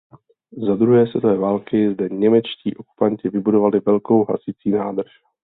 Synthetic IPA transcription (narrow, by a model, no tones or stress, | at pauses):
zad̪ɾuɦɛːsvɛ̰t̪ovɛːvaːlkɪzdɛɲɛmɛt͡ʃcḭːʔo̞ku̥paɲcɪvɪbudo̞valɪvɛlko̞wɦa̰sɪt͡siːnaːd̪r̩ʃ